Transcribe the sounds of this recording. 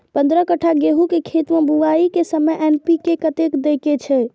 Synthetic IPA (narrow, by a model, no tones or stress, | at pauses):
pə̃nd̪ɾəkəʈʰaɡeɦukekʰet̪mebuʋaikesəməjʔɛnpikekət̪ekd̪eket͡ʃʰɛ